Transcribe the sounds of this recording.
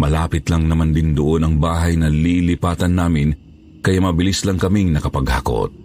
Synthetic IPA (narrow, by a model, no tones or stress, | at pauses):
mɐlaːpɪt̪lɐŋnɐmand̪ɪnd̪oʔo̞nɐŋbaːɦɐjnɐlilɪpaːt̪ɐnːaːmɪn | kɐjamɐbɪlislɐŋkɐmiŋnɐkɐpɐɡhako̰t̪̚